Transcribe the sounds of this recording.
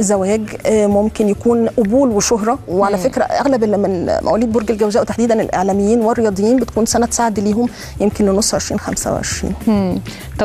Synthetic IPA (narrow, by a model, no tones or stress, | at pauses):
zæwæːɡmomkenjækuːnʔobuːlweʃoɦɾˤɑweʕalæfekɾæ̰ʔæ̰ɣlæbʔelːimenmʔæ̰ʔæliːd̪̚boɾɡælɡæwzæːʔwet̪aħd̪iːd̪ænḛlʔḛʕlæmejːiːnwerːejɑːd̪ˤjːiːnbet̪̚kuːnsænæt̪saʕed̪liːɦom | jemkenlenosˤːʕeʃɾiːnxæ̰msæ̰w̰ʕḛʃɾḭːn | t̪ˤɑ